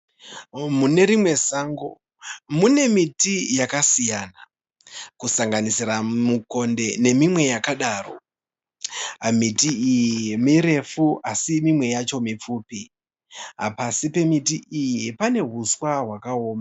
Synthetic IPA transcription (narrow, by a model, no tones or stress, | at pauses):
mune̞ɾimwe̞saːŋɡo | mune̞mitijakasijana | kusaŋɡanisiramuko̞nde̞ne̞mimwe̞jakaɗaːro̞̰ | mitiijimiɾe̞fuʔasimimwe̞jat͡ʃo̞mip͡fuːpi | ɦa̰pasipe̞mitiʔijipane̞ɦuswaɦwakao̞ːma